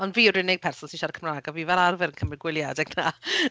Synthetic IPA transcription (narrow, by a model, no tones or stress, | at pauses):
ɔnviːrɪnɪɡ̚pʰɛrsɔnsinʃarkʰəmraːɡɔviːvɛlˠarvɛɾənkʰəmrɪɡwɪlˠjadɛɡna